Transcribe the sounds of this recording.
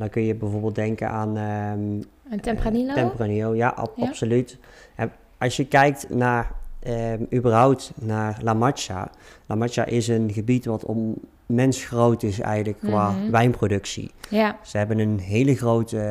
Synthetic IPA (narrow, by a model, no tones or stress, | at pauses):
dɑnkɵnjəbɛjvoːɹbɪːlˠdɛŋkə̰nʔaːn | ɛantɛmpraniowjaʔɑ̰ɑpsolyt | ɛ | ɑsjəkɛjk̚tnaːrəybərɦʌwptnaːrlamɑt͡ʃa̰lamɑt͡ʃa̰ʔɪsənɣəbitʋɑtɔ̰n | mɛnsxrowtɪsɛ̰jɣənləkkʋaːʋɛjnprowdɵksḭz̥əɦɛbənənɦejləɣrowtə